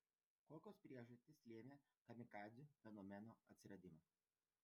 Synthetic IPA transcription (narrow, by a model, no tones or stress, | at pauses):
koːkʲoːspʲɾʲiɛʒɐsʲt̪ʲɪslʲeːmʲeː | kɐmʲɪkɑːd̪zʲuːfʲɛnɔmʲɛnoːɐ̰t̪ʲsʲɪɾɐd̪ʲɪmɐ